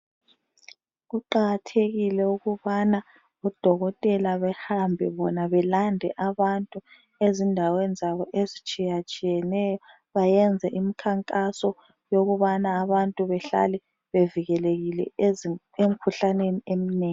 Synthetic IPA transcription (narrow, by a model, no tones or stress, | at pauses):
ɣuǃaɣatʰeɣilɛuɣuβana | ɔd̥ʱɔɣɔtʼɛlaβɛhambʱɛβɔnaβɛlandʱɛʔaβantʼu | ezindʱawɛnd͡zʱaβɔʔezit͡ʃʼijat͡ʃʼijɛnɛjɔ | βajɛnd͡zʱɛʔimikʰaŋkʼasɔ | joɣuβanaːβantʼuβɛɬa̰lɛ | βeviɣɛleɣilɛ̰ | em̩kʰuɬaneniemineːŋ